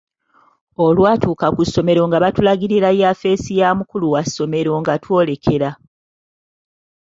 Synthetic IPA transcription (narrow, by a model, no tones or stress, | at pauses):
olwaːtuːkakusːo̞me̞ɾo̞ŋɡaβatulaɡiɾiɾajafe̞ːsijaːmukuluwasːo̞me̞ɾo̞ŋɡatwo̞ːle̞kʰe̞ɾa